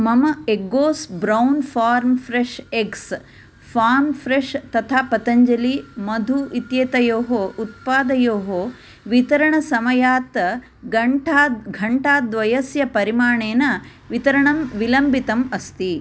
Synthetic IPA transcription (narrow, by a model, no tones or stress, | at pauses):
mɐmɐeɡoːsbɾɐwnfʰaːɾmfɾeʂeks | fʰaːɾmfɾeʂt̪ɐt̪ʰaːpɐt̪ɐɲd͡ʒɐlimɐd̪ʱuʔit̪jeːt̪ɐjoːɦoʔut̪̚paːd̪ɐjoːɦoː | ʋit̪ɐɾɐɳɐsɐmɐjaːt̪ɐ | ɡɐʈːɡʱɐɳʈaːd̪ʋɐjɐsjɐpɐɾimaːɳeːnɐ | ʋit̪ɐɾɐɳɐmʋilɐmbit̪ɐmɐst̪i